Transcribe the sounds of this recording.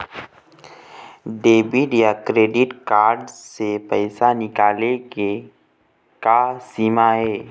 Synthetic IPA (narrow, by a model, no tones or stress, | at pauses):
ɖeːbiɖjakɾeːɖɪʈkaːɾɖsepɛɪsanɪkaːleɡe | kasiːmaɦɛː